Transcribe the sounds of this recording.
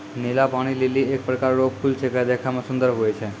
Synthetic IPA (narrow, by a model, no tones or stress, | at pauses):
nelapaɽ̃ileliek̚pɾəkaɾːobfʰult͡ʃʰekad̪ekʰamãsʊ̃nd̪əɾɦojt͡ʃʰe